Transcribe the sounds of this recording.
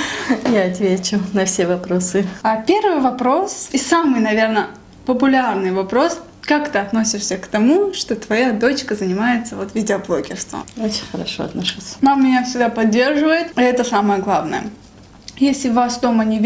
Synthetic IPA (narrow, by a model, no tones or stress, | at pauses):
jaɐt̪vʲet͡ɕʊnɐfsʲevɐpɾo̞sɨapʲe̞rvɨjvɐpɾo̞sisamɨjnɐvʲe̞rnə | pəpʊlʲarnɨjvɐpɾo̞s | kakt̪ɨɐt̪no̞sʲɪʂsʲəkt̪ɐmuʂt̪o̞t̪vɐjad̪o̞t͡ɕkəzənʲɪmajɪt̪səvo̞t̪vʲɪdʲɪɐblˠokʲɪ̰rst̪və̰ot͡ɕɪ̥nʲxəɾɐ̰ʂo̰ɐt̪nɐʂusʲmammʲɪnʲasʲɪɡd̪apɐdʲːe̞rʐɨvəjɪt̪iɛt̪əsaməjəɡlˠavnə̰jə̰ | jesʲlʲɪvasd̪o̞mənʲɪvʲ